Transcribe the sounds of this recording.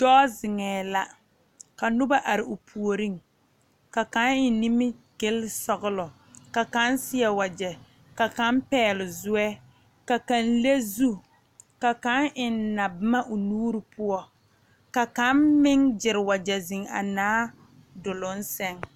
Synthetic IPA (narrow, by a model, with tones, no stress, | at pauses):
d̥ɔː˦zɪ˨ŋɛː˨la˦ | ka˨nʊ˦ba˦ʔa˨ɾɪ˨ʊ˨pʰu˨o˨ɾi˦ŋ | ka˨ka˨˦ŋɪ˨ni˦mɪ˦ɡ̥ɪ˦lsɔ˦˨ɣʊ˦lɔ˨ | ka˨ka˦n˦sɪ˦ɛ˨wa˨d͡ʒɛ˨ | ka˨ka˨˦mpɛː˨˦˨lʊ˨zʊ˦ɛ˦ | ka˨ka˨nle˦zu˦ | ka˨ka˦ŋʔɪ˨n˦na˨bɪ˦ma˦ʔʊ˨nuː˦ɾɪ˨pʊ˦ɔ˦ | ka˨ka˦mmɪ˦ŋd͡ʒɪ˨ɾɪ˨wa˨d͡ʒɛ˨zɪ˨ŋa̰˨naː˦ | dʊ˨lʊ˨˦n̩˦sɛ˦ŋ